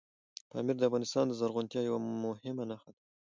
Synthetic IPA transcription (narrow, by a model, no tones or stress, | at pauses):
p̪ɑ̰mɪɾd̪əafɣɑnɪst̪ɑnd̪əzaɾɣʊnt̪jɑjawamʊhɪmanaxad̪a